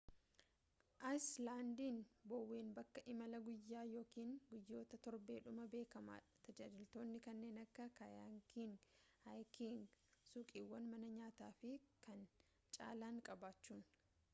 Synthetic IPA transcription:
ʔajslaːnd̪iːnbɔwːeːnbɐkːɐʔɪmɐlɐɡʊjːaːjo̞ːkiːŋɡʊjːo̞ːt̪ɐt̪ɔɾbe̞ːᶑʊmɐbe̞ːkɐma̰ːᶑɐ̥t̪ɐd͡ʒaːd͡ʒɪlt̪o̞ːnːɪkɐnːe̞ːnɐkːɐkɐjaŋkiŋɡhajkiŋɡsʊkʼiːwːɐnmɐnɐɲaːt̪aːfɪkɐn | t͡ʃʼa̰ːlaːŋkʼɐbaːt͡ʃːuːn

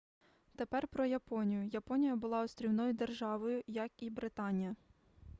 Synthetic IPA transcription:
t̪epɛrpɾɔjɐpɔnʲijʊjɐpɔnʲijɐbʊlˠɑɔst̪ɾʲiwnɔjʊd̪erʒɑʋɔjʊjɐkibɾɪt̪ɑnʲijɐ

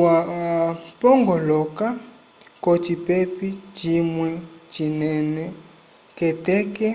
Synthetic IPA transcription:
wa | pɔŋɡɔlɔka | kotipɛpit͡ʃimwɛt͡ʃinɛnɛ | kɛtɛkɛ

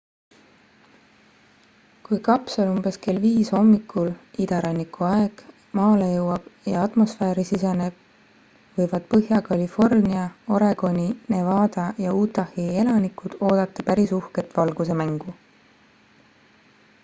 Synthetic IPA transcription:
kujkɑpsɑlumb̥e̞ske̞lviːsho̞mːikʰːˑulid̪̥ɑɾɑnːikuɑe̞ɡ̥ | mɑːlejɤwːɑb̥jɑɑt̪mo̞sfeːɾisisɑneb̥ | vɤ̞jvɑd̪̥pɤɦjɑkɑlifo̞rniɑo̞ɾe̞ɡ̥o̞nʲine̞vɑːd̪̥ɑjɑuːt̪ːˑɑhie̞lɑnikːˑud̪̥o̞ːd̪̥ɑt̪ːˑɑpæɾisuhke̞t̪ːvɑlɡ̥use̞mæŋɡ̥u

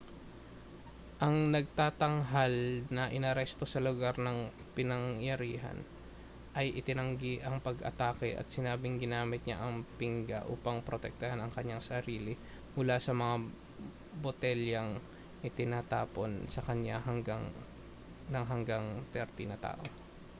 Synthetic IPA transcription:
ʔɐŋnɐɡ̚t̪aːt̪ɐŋɦalnɐʔɪnɐɾɛst̪o̞sɐlʊɡaɾnɐŋ | pɪnɐŋjɐɾiːɦɐ̰n | ʔɐjʔɪt̪ɪnɐŋɡiʔɐŋpɐɡɐ̰t̪aːkɛʔɐ̰t̪̚sɪnaːbɪŋɡɪnaːmɪt̪̚ɲa̰ʔɐŋpɪŋɡɐ̰ʔuːpɐŋpɾot̪ɛk̚t̪ɐhanɐŋkɐɲːaŋsɐɾiːlɪ | mʊlasɐmɐŋa | bot̪ɛljɐŋ | ʔɪt̪ɪnaːt̪a̰ːpo̞nsɐkɐɲaɦɐŋɡaŋ | nɐŋɦɐŋɡaŋt̪ɛɾt̪ɪnɐt̪a̰ːʔo

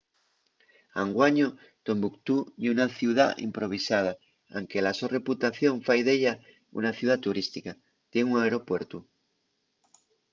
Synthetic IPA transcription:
aŋɡwaɲo | t̪o̞mbukt̪ununaθjuwða̰ḭmpɾo̞β̞isað̞a | a̰ŋkelasore̞put̪aθjo̞ɱfajðeʎa | ṵnaθjuðat̪uɾist̪ika | t̪jeŋuŋaeɾo̞pweɾt̪u

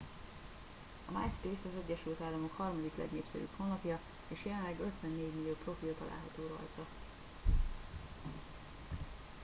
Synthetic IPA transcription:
ɒma̰ːjspeːsɒzɛɟːɛʃylt̪aːlːɒmo̞khɒrmɒd̪iklɛ̰ɡneːpsɛ̰ɾy̰pho̞nːɒpjɒ | eːʃjɛlɛnlɛɡø̞t̪ʋɛnːeːɟmilijoːpro̞filt̪ɒlʔa̰ːlɦɒt̪oːɾɒ̰jt̪ɒ

